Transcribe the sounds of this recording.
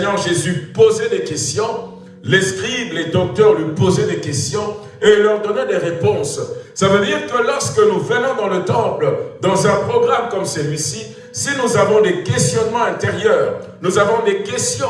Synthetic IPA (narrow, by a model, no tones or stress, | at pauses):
ɲɛʁʒezypozɛd̪ekɛst̪jɔ̃ | lɛskχivled̪ɔk̚t̪œʁlipozɛd̪ekɛst̪jɔ̃ | elːœʁd̪ɔnɛd̪eʁepɔ̃ssavød̪iːʁkəlɔʁskənuvənɔ̃d̪ɑ̃lət̪ɑ̃pld̪ɑ̃zɛ̃pχɔɡʁamkɔmsəlɥisi | sinuzavɔ̃d̪ekɛst̪jɔnmɑ̃ɛ̃t̪eʁjœːʁnuzavɔ̃d̪ekɛst̪jɔ̃